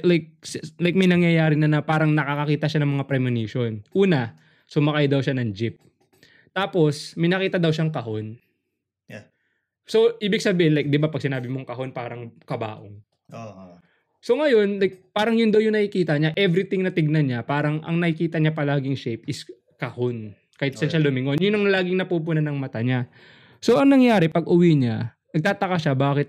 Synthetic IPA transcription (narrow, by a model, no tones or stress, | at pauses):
lajk̚slajk̚mɐjnɐŋjɐjaːɾɪnɐnɐpaːɾɐŋnɐkakɐkiːt̪ɐʃanɐŋmɐŋapɾɛmɪniʃo̞nʔuːnɐ | sʊmɐkajd̪ɐwʃanɐŋd͡ʒɪp̚ | t̪aːpo̞smɐjnɐkiːt̪ɐd̪ɐwʃaŋkɐɦo̞n | so̞ʔiːbɪɡ̚sɐbiːhɪnlajk̚d̪ɪbapɐɡ̚sɪnaːbɪmoŋkɐɦo̞npaːɾɐŋkɐba̰ːʔo̰ŋ | so̞ŋɐjo̞nlajk̚paːɾɐŋjʊnd̪awjʊŋnɐʔɪkiːt̪ɐɲaʔɛvɾɪt̪ɪŋnɐt̪ɪɡ̚nɐɲapaːɾɐŋʔɐ̰ŋnɐɪkiːt̪ɐɲapɐlaːɡɪŋʃejpɪs | kɐhon | kaːɪt̪sɐnʃalʊmɪŋo̞njʊnɐŋlaːɡɪŋnɐpup̬ʊnanɐŋmɐt̪aɲa | so̞ʔɐŋnɐŋjaːɾɛpɐɡʔʊwiɲa | nɐɡ̚t̪aːt̪ɐkaʃabaːkɪt̪̚